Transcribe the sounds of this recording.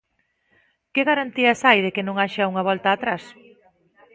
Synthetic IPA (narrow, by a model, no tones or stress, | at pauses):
keɣaɾant̪iɐsajð̞ekɪnõŋaʃauŋɐβɔlt̪aːt̪ɾas